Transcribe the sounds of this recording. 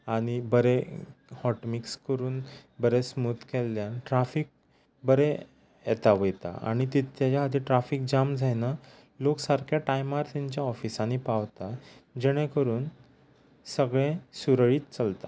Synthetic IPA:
aɽ̃ibəɾehɔʈmikskəɾuːnbəɾesmut̪kɛlːjãnʈɾafik̚ | bəɾe | jɛt̪aʋəjt̪a̰a̰ɽ̃it̪it̪jad͡ʑaɦad̪iʈɾafik̚d͡ʑamd͡zʱajna | loksaɾkʰjaʈajmaɾt̪ɛɲt͡ɕjaɔfisanipaʋt̪ad͡ʑɛɽ̃ẽkəɾuːn | səɡɭẽsuɾəɭiːt̪t͡səlt̪a

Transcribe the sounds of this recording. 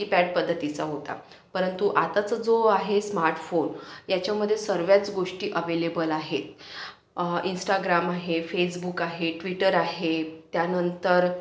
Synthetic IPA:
ipæɖ̚pəd̪ʱːət̪it͡saɦot̪a̰ | pəɾənt̪uʔat̪at͡səd͡zoaɦesmaɾʈfonjat͡ɕjaməd̪ʱːjesəɾʋjat͡sɡoʂʈiːʔəʋelebəlaɦet̪ | insʈaɡɾamaɦefes̬bukaɦeʈʋiʈəɾaɦet̪ːjanənt̪əɾ

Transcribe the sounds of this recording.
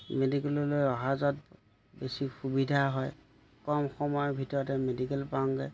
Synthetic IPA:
medikɛlɔlojɔɦazɔt̚ | besixubidʱaɦɔj | kɔmxɔmɔjbʱitɔɹɔtɛmedikɛlpaŋɡɛ

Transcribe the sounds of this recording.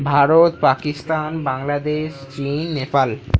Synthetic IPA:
bʱaɾot̪pakist̪anbaŋlad̪eʃt͡ɕinːepal

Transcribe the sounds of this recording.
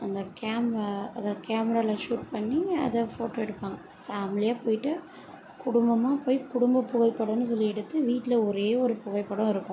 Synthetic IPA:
ɐnd̪ɐkaːmɾaɐðɐkaːmɛɾaːlaʂuːʈ̚pɐɳːiɐ̰ðɐfoːʈoːɛɽɯpːaːŋɡɐ | faːmɪlɪjaːpoːjɪʈːɯ | kʊɽʊmbɐmaːpoːjkʊɽʊmbɐpːʊɣɐɪpːɐɽɐ̃nːɯs̬ɔlːiɛɽɯt̪ːɯʋiːʈːɪlɐɔɾeːɔɾɯpʊɣɐɪpːɐɽʊ̃ɪɾɯkːʊ̃

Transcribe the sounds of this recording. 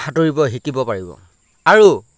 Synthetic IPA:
xatoɹibɔɦikibɔpaɹibɔ̰ | aɹu

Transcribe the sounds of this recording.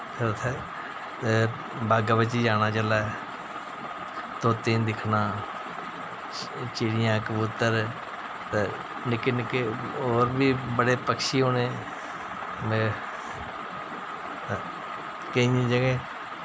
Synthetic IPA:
ət̪ʰɛː | t̪e | baːɡabət͡ʃiːd͡ʒaːñaːt͡ʃəlaː | t̪oːt̪ẽːnd̪ɪkʰnãː | t͡ʃiːɽɪjãːkəbut̪ːəɾ | t̪e | nɪkːenɪkːeoːɾbʱiːbəɽeːpəkʃiːɦoːneː | me | kəĩĩːd͡ʒəɡẽː

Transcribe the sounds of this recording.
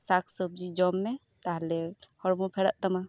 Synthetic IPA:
sakʰsɔb̚d͡ʒid͡ʒɔmːɛ | t̪aɦlɛhɔɾmɔpʰɛɽaʔt̪ama

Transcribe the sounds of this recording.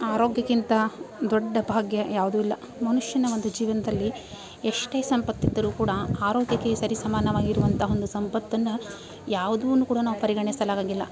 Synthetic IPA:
aːɾoːɡjɐkint̪ɐd̪ɔɖːɐbʱaːɡjɐjaːʋud̪uːilːɐ | mɐnuʂjɐnɐo̞nd̪ud͡ʒiːʋɐnɐd̪ɐlːi | eʂʈe̞ːsɐmpɐt̪ːid̪ːɐɾuːkuːɽɐaːɾoːɡjɐkːesɐɾisɐmaːnɐʋaːɡiɾuʋɐnt̪ʰɐɦo̞nd̪usɐmpɐt̪ːɐnːɐ | jaːʋud̪unːuːkuːɽɐnaːʋupɐɾiɡɐɳisɐlaːɡaːɡilːɐ̰

